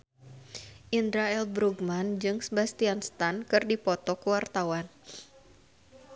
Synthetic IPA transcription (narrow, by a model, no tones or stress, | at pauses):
ʔind̪ɾaɛlbɾuɡmand͡ʒɨŋsəbast̪ianst̪ankɨrdipɔt̪ɔkəwart̪awan